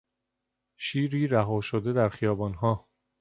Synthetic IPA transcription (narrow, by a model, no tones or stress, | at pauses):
ʃiːɾiːɾæɦɒːʃod̪e̞d̪æɾxijɒːbɒːnɦɒː